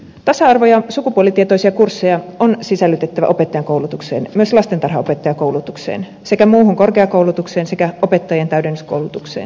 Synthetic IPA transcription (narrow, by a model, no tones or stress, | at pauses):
t̪ɑsɑɑrʋo̞jɑsukupuolit̪iet̪oisiɑkursːejɑonsisælːyt̪et̪ːæʋæ̰ʔopet̪ːɑjɑŋko̞wlut̪uksḛːnmyøslɑst̪ent̪ɑrɦɑope̞t̪ːɑjɑkowlut̪uksḛːn | se̞kæmuːɦuŋkorkeɑkoulut̪ukseːnse̞kæʔope̞t̪ːɑjent̪æydenːyskowlut̪uksḛːn